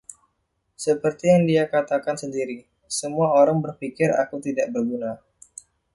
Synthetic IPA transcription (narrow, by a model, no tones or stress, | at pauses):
səpərt̪ijaŋdiakat̪akansəndiɾi | səmuaoɾaŋbərfikɪɾa̰kut̪idaʔ̚bərɡuna